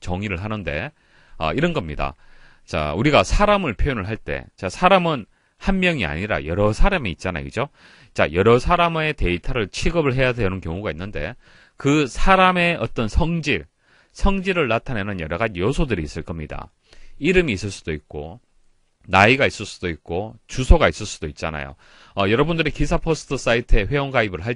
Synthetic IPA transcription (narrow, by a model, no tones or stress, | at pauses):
t͡ɕʌŋiɾɯɭɦanɯnde̞̰ | ʌ̰iɾʌnɡʌmɲida̰ | t͡ɕa̰uɾiɡasʰaɾamɯɭpʰjojonɯɭɦaɭt͈e̞̰t͡ɕasʰaɾamɯn | hanmjʌŋia̰ɲiɾa̰jʌɾʌsʰaɾamiːt̚t͡ɕ͈ana̰jo̰kɯd͡ʑo | t͡ɕa̰jʌɾʌsʰaɾame̞te̞itʰaɾɯɭt͡ɕʰiɡʌbɯɭɦe̞jadeʌnɯnkjʌŋuɡainːɯnde̞̰ | kɯsʰaɾame̞ʌt͈ʌnsʰʌŋd͡ʑiɾ | sʰʌŋd͡ʑiɾɯɭnatʰanenɯnjʌɾʌɣad͡ʑijosʰodɯɾiːs͈ɯɭk͈ʌmɲida̰ | iɾɯmiːs͈ɯɭs͈ud̥oit̚k͈o̰ | naiɡais͈ɯɭs͈ud̥oik̚k͈ot͡ɕusʰoɡais͈ɯɭs͈ud̥oit̚t͡ɕ͈a̰na̰jo̰ | ʌjʌɾʌbundɯɾikisʰapʰosʰɯ̥tʰɯs͈aitʰɯe̞ɸwe̞joŋkaibɯɭɦa